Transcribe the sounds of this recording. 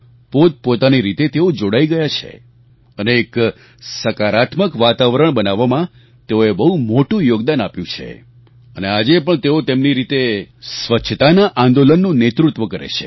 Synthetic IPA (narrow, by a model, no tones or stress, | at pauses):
pot̪̚pot̪aniɾit̪et̪eod͡ʒoɽaiɡəjat͡ʃʰḛ | əneːk | səkaɾat̪məkʋat̪aʋəɾəɳbənaʋːamã | t̪eoebəɦumoʈũjoɡd̪anapjũt͡ʃʰḛ | ənead͡ʒepəɳt̪eot̪emniɾit̪esʋətːʃʰət̪anaʔãnd̪olənːũnet̪ɾut̪ʋəkəɾḛt͡ʃʰe̥̰